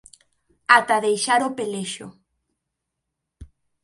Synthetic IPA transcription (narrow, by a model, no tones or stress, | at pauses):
at̪aðejʃaɾopeleʃo̰